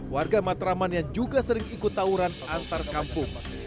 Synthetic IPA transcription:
warɡamat̪ɾamanjaŋd͡ʒuɡasəɾɪŋikʊt̪ːauɾanant̪arkampʊŋ

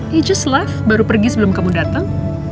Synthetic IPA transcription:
id͡ʒaslafbaɾupərɡisəbəlʊmkamudat̪aŋ

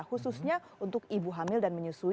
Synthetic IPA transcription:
hususɲa | unt̪ʊkibuɦamɪldanməɲusu

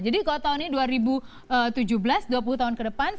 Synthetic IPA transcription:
d͡ʒadikalot̪aʊniduaɾibu | ət̪ud͡ʒuhbəlasduap̬uluht̪aʊnkədəpan

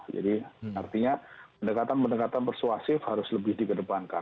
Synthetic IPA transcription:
d͡ʒa̰dia̰rt̪iɲapəndəkat̪anpəndəkat̪anpərsuasɪfhaɾʊsləbɪhdikədəpanka

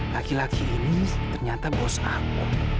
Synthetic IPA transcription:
lakilakʰiːnit̪ərɲat̪abɔsaŋu

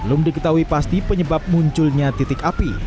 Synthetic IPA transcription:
bəlʊmdikət̪aɦuipast̪ipəɲəbap̚muɲt͡ʃʊlɲat̪it̪ɪkapi

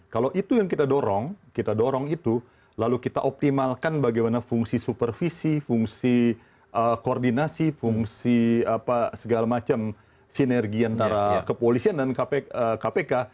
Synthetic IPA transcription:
kalowʔit̪ujaŋkit̪adoɾɔŋkit̪adoɾɔŋit̪u | lalukit̪aʔop̚t̪imalkanbaɡajmanafuŋsisupərfisifuŋsi | ʔəkordinasifuŋsiapasəɡalamat͡ʃam | sinɛrɡiant̪aɾakəpolisiandankapeəkapeka

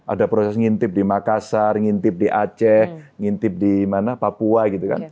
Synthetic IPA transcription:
ʔa̰dapɾosɛsŋint̪ɪp̚dimakasarŋint̪ɪp̚diʔat͡ʃɛhŋint̪ɪp̚dimanapapuaɡit̪uka̰n

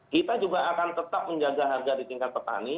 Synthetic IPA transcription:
kit̪ad͡ʒuɡaːkant̪ət̪ap̚məɲd͡ʒaɡaɦarɡadit̪iŋkat̪̚pərt̪a̰ni

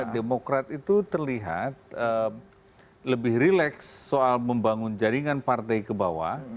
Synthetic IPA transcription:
demokɾat̪it̪ut̪ərliɦa̰t̪̚ə | ləbɪhɾilɛksːoalməmbaŋʊnd͡ʒaɾiŋanpart̪ɛjkəbawa̰

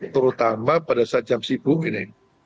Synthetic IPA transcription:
t̪əɾut̪amapadasad͡ʒamsibuŋinɪ

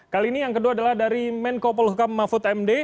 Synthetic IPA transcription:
kaliːnijaŋkəduaːdalahdaɾimɛnkopɔlhukamːafʊt̪ɛmde

